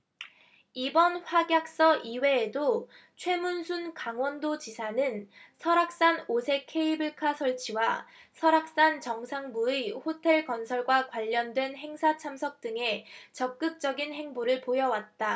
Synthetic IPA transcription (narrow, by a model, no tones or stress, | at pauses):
ibʌnɸwaɡjak̚s͈ʌʔiwe̞ːdo | t͡ɕʰwe̞munsʰunkaŋwʌndot͡ɕisʰanɯnsʰʌɾak̚s͈anosʰe̞kʰe̞ibɯɭkʰasʰʌɭt͡ɕʰiwasʰʌɾak̚s͈ant͡ɕʌŋsʰaŋbuihotʰe̞ɭkʌnsʰʌɭɡwakwaʎːʌndwe̞nɦe̞ŋsʰat͡ɕʰamsʰʌk̚t͈ɯŋe̞t͡ɕʌk̚k͈ɯk̚t͡ɕ͈ʌɡinhe̞ŋboɾɯɭpojʌwat̚t͈a